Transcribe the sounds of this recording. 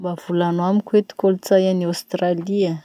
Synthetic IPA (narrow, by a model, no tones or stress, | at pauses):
mbav̥ulanwamikwet̪i̥kolut͡sajaniost̪ralia